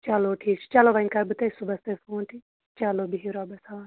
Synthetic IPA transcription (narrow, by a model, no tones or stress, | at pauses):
t͡ʃaloːʈʰiːk̚t͡ʃʰi̥t͡ʃaloːbɐnkaɾbɨt̪ɐisubɐst̪efoːnʈ̪ʰi | t͡ʃaloːbiɦiɾɔːbɐsaʋn